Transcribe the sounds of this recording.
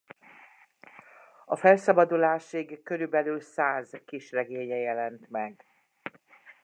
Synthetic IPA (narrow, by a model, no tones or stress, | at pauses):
ɒfɛlsɒbɒd̪ulaːʃiɡkøɾybɛlyːlsaːzkiʃrɛɡeːɲɛjɛlɛnt̪mɛɡ